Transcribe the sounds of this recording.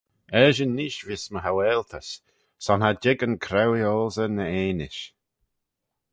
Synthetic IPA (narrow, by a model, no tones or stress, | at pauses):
ɛʒənːiːʃvisməɦawɛːlt̪ʰəs | sɔnhad͡ʒɪɡənkʰɾɛwiɔːzənəeːnɪʃ